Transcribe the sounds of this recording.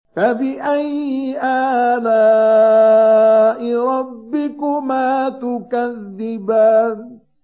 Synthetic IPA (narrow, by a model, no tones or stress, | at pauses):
fabɪʔajʔaːlaː | ʔɪɾˤɑbːɪkʊmaːt̪ʊkaðːɪbaːn